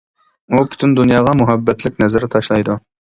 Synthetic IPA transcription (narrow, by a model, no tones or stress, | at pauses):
upʰʊ̥t̪ʰynd̪unjɑːʁɑmʊɦæbːɛt̪lɪkʲnɛzæɾɪt̪ʰɑʃlˠɑjd̪ʊ